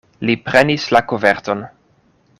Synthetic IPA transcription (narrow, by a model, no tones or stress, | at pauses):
lipɾenislakoveɾto̞n